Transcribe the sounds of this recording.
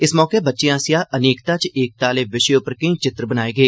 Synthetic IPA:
ɪsmɔːkebətːʃejãːsɪjaːʔəneːkt̪at͡ʃeːk̚t̪aːleʋɪʃeʊpəɾkɐ̃ĩt͡ʃɪt̪ɾəbənaːeːɡəeː

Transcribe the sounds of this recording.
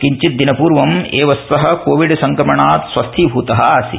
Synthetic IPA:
kiɲt͡ʃit̪̚d̪inɐpuːɾʋɐmeːʋɐsːɐɦɐ̆koːʋiɖsɐŋkɾɐmɐɳaːt̪sʋɐst̪ʰibʱuːt̪ɐɦɐ̆aːsḭ

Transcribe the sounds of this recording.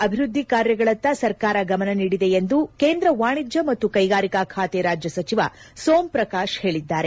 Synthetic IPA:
ɐbʱiɾud̪ʱːikaːɾjɐɡɐɭɐnt̪ːɐsɐɾkaːɾɐɡɐmɐnɐniːɽid̪e̞jend̪ukeːnd̪ɾɐʋaːɳid͡ʒjɐmɐt̪ːukɐjɡaːɾikakʰaːt̪eɾaːd͡ʒjɐsɐt͡ʃiʋɐ̰ | soːmpɾɐkaːʃhe̞ːɭid̪ːaːɾe̞

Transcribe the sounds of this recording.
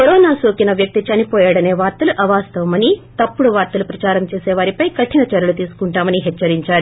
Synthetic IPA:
kɔɾɔːnaːsoːkinɐʋjɐk̚t̪it͡ʃɐnipɔːjaːɽɐne̞ːʋaːɾt̪ɐluʔɐʋaːst̪ɐʋɐmɐnit̪ɐpːuɽuʋaːɾt̪ɐlupɾɐt͡ʃaːɾɐmt͡ʃeːseːʋaːɾipɐjkɐʈʰːinɐt͡ʃɐɾɐlut̪iːsu̥kuɳʈaːmɐniɦɛt͡ʃːɐɾiɲt͡ʃaːɾu

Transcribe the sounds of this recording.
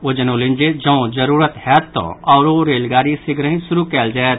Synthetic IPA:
od͡ʒənoːlɪ̃nd͡ʒed͡ʒɐ̃õd͡ʒəɾuːɾət̪hɛːt̪ːõ̰ɔːɾoɾeːlɡaːɾisɪɡɾəɦĩsʊɾukɛːld͡ʒaːet̪

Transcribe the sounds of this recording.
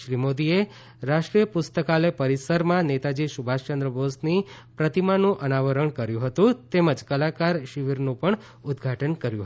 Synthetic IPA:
ʃɾimod̪ie | ɾaʂʈɾijəpʊst̪əkalepəɾisəɾmãnet̪ad͡ʒiʃubʱaʃt͡ʃənd̪ɾəbosnipɾət̪imanũʔənaʋəɾəɳkəɾjũɦət̪ũt̪eməd͡ʒkəlakaɾʃiʋiɾnũpəɳ | ʊd̪ɡʱaʈənkəɾjuɦ

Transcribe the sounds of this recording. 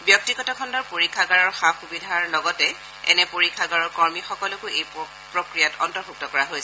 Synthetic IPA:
bjɔk̚tiɡɔtɔkʰɔndɔɹpoɹikʰːaɡaɹɔɹxaxubidʱaɹlɔɡɔtɛ | ɛ̰nɛpoɹikʰːaɡaɹɔɹkɔɹmixɔkɔlɔkʊej | pɹokɹijatɔntɔɹpuk̚tɔkɔɹaɦojsɛ

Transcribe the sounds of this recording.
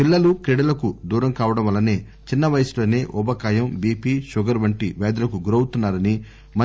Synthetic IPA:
pilːɐlukɾeɽɐlɐkud̪uːɾɐmkaːʋɐɽɐmʋɐlːɐne̞ː | t͡ʃinːɐʋɐjɐsulo̞ːne̞ːʔubɐkaːjɐmbiːpiːʃuɡɐɾʋɐɳʈiʋɛːd̪ulɐkuɡuɾɐwut̪unːaːɾɐni | mɐ

